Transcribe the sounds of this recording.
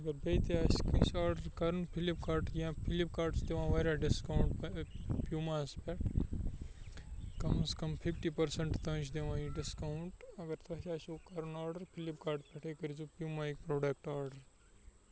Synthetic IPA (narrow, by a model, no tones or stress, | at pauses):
ɐɡɐɾbeːt̪iaːskisaːɾɖəɾkɐɾɐnpʰilipkaːɾʈiãpʰilip̚kaːɾɖsd̪eʋãːʋaːɾjaɖɪskauɳʈpjumaːspɛʈʰ | kɐmɐskɐmpʰipʈipɐɾsɐɳʈt̪ɐ̃ːt͡ʃʰd̪eʋãːiɖɪskawɳʈɐɡɐɾt̪ʰɐʃaːʃkɐɾɐnaːɾɖɐɾpʰilipkaːɾʈpɛʈʰekɐɾid͡ʒupjuːmaːik̚pɾoːɖekʈaːɾɖəɾ